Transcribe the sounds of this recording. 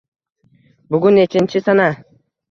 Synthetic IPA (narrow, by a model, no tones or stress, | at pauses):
bʊɡʲʊnet͡ʃʰɪnt͡ʃʰɪsana